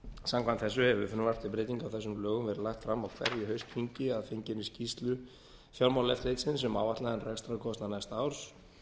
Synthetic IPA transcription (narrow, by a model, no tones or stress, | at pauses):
samkʰant̪θɛs̬ːʏhɛvʏfʏnːʏvar̥t̪ɪpɾeɪjt̪iŋkawθɛsːʏmlœːɣʏmvɛːɾɪlaxt̪fɾamːawkʰv̥ɛ̰ɾjɪɦœɥst̪fiɲcɪaðfeɲcɪnːɪscist̪lʏ | fjawlmawlɛft̪lejt̪sɪns̬ɛmawvaht̪laðɛnrɛkst̪ɾakʰɔst̪nanajst̪aːwɾ̥s